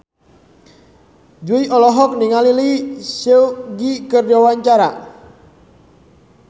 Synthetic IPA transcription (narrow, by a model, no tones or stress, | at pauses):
d͡ʒuiʔɔlɔɦɔk̚niŋalilisɛuɡikərdawaɲt͡ʃaɾa̰